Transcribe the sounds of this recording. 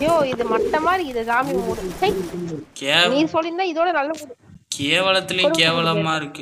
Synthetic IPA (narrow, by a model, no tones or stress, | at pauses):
joːɪðɯmɐʈːɐmaːdɾiɪðɐɡaːmimuːɽɯt͡ʃɐkeːniːsɔlːɪnd̪ãːɪðoːɽɐnɐlːɐpuːɽɯkʰeːʋɐɭɐt̪ːɪlj̃keːʋɐɭɐmmaːɪɾɯkːɯ